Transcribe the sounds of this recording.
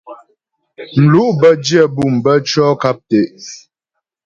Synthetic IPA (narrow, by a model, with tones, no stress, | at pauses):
m̩˨lu˦ʔbə˦d͡ʒjɛ˦˨bu˦˨mbə˦t͡ʃɔː˦ka˦p̚te˨ʔ